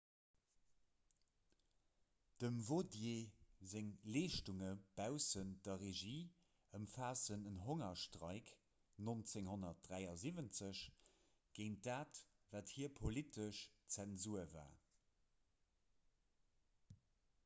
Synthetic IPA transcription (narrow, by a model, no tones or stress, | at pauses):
d̥əmvodjeːzeŋleːʃtuŋəb̥æʊsənd̥ɐʁeʒiː | əmfaːsənənɦoŋɐʃtʁɑ̰ɪk | nont͡seŋhonɐt̚d̥ʁæɪɑzivənt͡səɕ | ɡ̥eɪnt̚daːt | vaːthiːɐpʰolitʰəʃt͡sɛnzuɐva̰ː